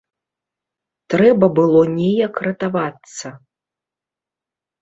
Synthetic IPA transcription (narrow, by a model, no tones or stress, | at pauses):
t̪ɾɛbɐbɨlˠɔnʲejɐkrɐt̪avat̪sːɐ